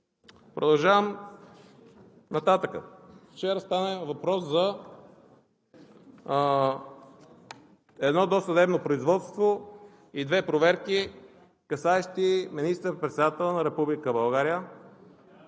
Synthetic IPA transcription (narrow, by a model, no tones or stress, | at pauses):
pɾod̪ɐlˠʒavəm | nɐt̪at̪əkə̰ft͡ʃɛɾəst̪anɛvɐpɾɔszɐ | ɛd̪nɔd̪osəd̪ɛbnopɾoizvɔt̪st̪vo | id̪vɛpɾovɛɾki | kɐsaɛʃt̪iminist̪əɾpɾɛt̪sɛd̪at̪ɛlˠnɐɾɛpublikəbɐlˠɡaɾiə